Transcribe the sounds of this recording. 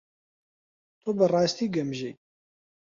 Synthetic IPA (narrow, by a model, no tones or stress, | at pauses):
t̪ʰubɨrˤɑːst̪iːɡɛmʒej